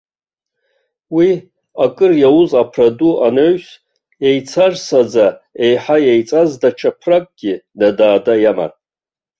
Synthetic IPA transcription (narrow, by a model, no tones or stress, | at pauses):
wi | akʼɨrjawʊzapʰraduʔanoɥs | ejt͡sʰarsad͡zae̞jħajejt͡sʼazdat͡ʃʰapʰrakʼɡ̥ʲinadaːdajama̰nʼ